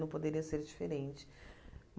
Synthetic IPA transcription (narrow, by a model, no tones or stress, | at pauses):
nɐ̃pod̪eɾiɐseɾd͡ʒifeɾẽnt͡ʃɪ̥m